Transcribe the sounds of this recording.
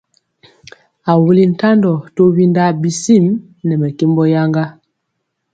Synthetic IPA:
a˨wu˦li˦n̩˨ta˦ndɔ˨to˦βi˦nda˦bi˨si˦˨m | nɛ˨mɛ˨ke˦mbɔ˦ja˦ŋɡa˦

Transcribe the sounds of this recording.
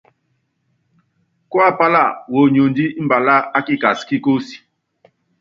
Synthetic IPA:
kwa˦˨pa˦la˦˨wo˨ɲo˨ndi˦m̩˦ba˨la˦a˦ki˦ka˨si̥˨ki˦ko˦si̥˨

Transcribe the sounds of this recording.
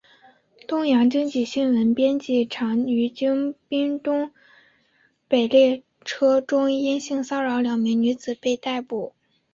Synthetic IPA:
t̪ʊ˥ŋjɑ˧˥ŋt͡ɕi˥ŋt͡ɕi˨˩ɕi˥nwə˧˥npjɛ˥nt͡ɕi˥˩ʈ͡ʂʰɑ˧˥ŋy˧˥t͡ɕi˥ŋpi˥ŋt̪ʊ˥ŋ | pe˨˩ɪljɛ˥˩ | ʈ͡ʂʰɤ˥ʈ͡ʂʊ˥ŋi˥nɕi˥˩ŋsɑ˥ʊɻɑ˧˥ʊljɑ˨˩ŋmi˧˥ŋny˧˥d͡zɹ̩˨˩pe˥˧ɪt̪a˥˩ɪpu˨˩˦

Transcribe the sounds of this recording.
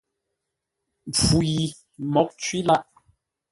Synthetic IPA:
p͡fu˨ji˨ | mɔ˨˦k̚t͡ʃwi˦la˦ʔ

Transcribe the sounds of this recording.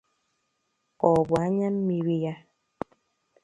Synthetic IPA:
ɔ˨bwa˨˦ɲa˦mːi˨wi˧ja˦

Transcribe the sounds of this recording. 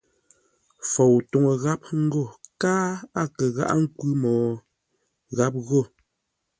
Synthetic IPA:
fɔ˨wto˨ŋə˨ɣa˦p̚ŋ̩˦ɡo˦˨kaː˦a˦kə˨ɣa̰˦˨ʔa̰˦ŋ̩˦kwʉ˦mɔː˨ | ɣa˦p̚ɣo˦˨

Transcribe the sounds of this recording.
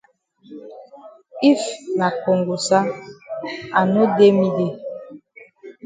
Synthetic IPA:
i˦fna˨ko˨ŋɡu˨sa˦ | a˨no˦de˦mi˦ɡe˨

